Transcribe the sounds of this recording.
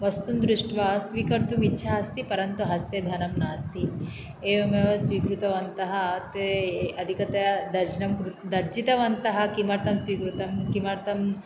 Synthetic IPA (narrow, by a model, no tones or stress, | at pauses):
ʋɐst̪und̪ɾuʂʈʋɐsʋiːkɐɾt̪umitːʃʰɐɦɐst̪ipɐɾɐnt̪uɦɐst̪jɐd̪ʱɐnɐmnaːst̪i | eːʋɐmeʋɐsʋiːkɾut̪ɐʋɐnt̪ɐɦɐt̪eɐd̪ʱikɐt̪ɐɐd̪ɐɾd͡ʒɐnɐmkɾud̪ɐɾd͡ʒit̪ɐʋɐnt̪ɐɦɐ̆kimɐɾt̪ɐmsʋiːkɾut̪ɐmkimɐɾt̪ɐm